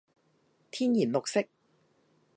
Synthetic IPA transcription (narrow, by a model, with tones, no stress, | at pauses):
t̪ʰiː˥njiː˨˩nlo˨k̚sɪ˥k̚